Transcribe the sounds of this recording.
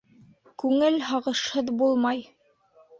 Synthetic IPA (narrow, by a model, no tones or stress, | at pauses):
kʉŋɘlɦɑʁɤ̆ʃhɤðbulˠmɑj